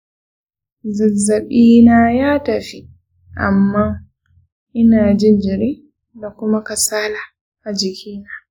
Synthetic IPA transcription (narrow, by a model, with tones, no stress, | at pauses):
zɐ˨zɐ˨ɓiː˦naː˦jaː˦tɐ˨ɸi˦ | ʔa̰˨mːaː˦ | ʔɪ˦naː˨d͡ʒɪ˦nd͡ʒɪ˨ɾiː˦ | da˨kʷʊ˦ma˦kɐ˨saː˦laː˨ | ʔa˨d͡ʒɪ˨kʲiː˦naː˦